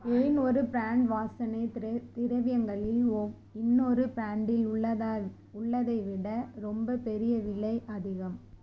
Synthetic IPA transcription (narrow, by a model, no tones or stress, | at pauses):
eːnɔɾɯpɾaːɳɖʋaːsɐnɐɪt̪ɪɾɐʋɪjɐŋɡɐɭɪlo | ɪnːɔɾɯpɾaːɳɖɪlɭːɐ | ʊɭːɐðɐɪʋɪɽɐɾɔmbɐpɛɾɪjɐʋɪɭːɐɪʔɐðɪɣɐm